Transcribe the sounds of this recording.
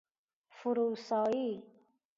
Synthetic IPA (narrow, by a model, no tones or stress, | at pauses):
fuɾusɑːi